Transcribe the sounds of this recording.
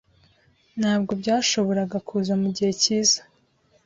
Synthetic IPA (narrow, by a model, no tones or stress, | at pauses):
n̥haːb̚ɡo̞bɟaːʃo̞βo̞ɾaɡakʰuːzamuɟihe̞ciːza